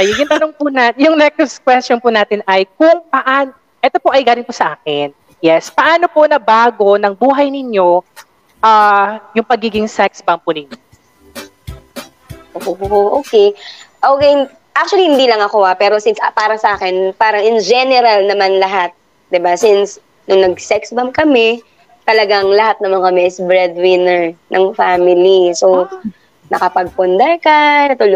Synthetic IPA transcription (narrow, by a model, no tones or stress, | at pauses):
ɐjʊŋʊŋt̪ɐnoŋpʊnajʊŋnɛk̚ʊskwɛst͡ʃonpʊnaːt̪ɪnʔɐjk̚ʊŋpɐʔaːn | ʔɛt̪o̞po̞ʔɐjɡaːlɪnpʊsɐʔaːkɪn | jɛspɐʔaːno̞po̞nɐbaːɡo̞nɐŋbuːɦɐjnɪɲo̞ | ʔaːjʊŋpɐɡiːɡɪŋsɛksbɐmpʊnɪɲjo | ʔoʔoʔoːkejʔoːkɛn | ʔak̚t͡ʃʊɐlihɪnd̪iːlɐŋɐkoʔapɛːɾo̞sɪnspaːɾɐsɐʔaːkɛnpaːɾɐŋʔɪnd͡ʒɛnɛɾɐlnɐmanlɐɦat̪̚ | d̪ɪbasɪns | nʊŋnɐɡ̚sɛksbɐmkɐmɛ | t̪ɐlɐɡaŋlɐɦat̪̚nɐmankɐmɛʔɪsbɹɛd̪̚wɪnɛɹnʔɐŋfamɪliso | nɐkɐpɐɡ̚pʊnd̪ɐkanɐt̪ʊl